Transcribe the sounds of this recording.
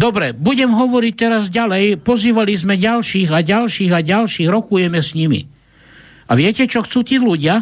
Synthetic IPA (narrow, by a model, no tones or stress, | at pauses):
d̪ɔbɾɛbuɟɛmɦɔʋɔɾic̚t̪ɛɾazɟalɛjpɔziːʋalizmɛɟalʃiːɣaɟalʃiːɣaɟalʃiːɣɾɔkujɛmɛsɲimḭ | aʋɪɛcɛt͡ʃɔxt͡suːt̪iːluɟɪa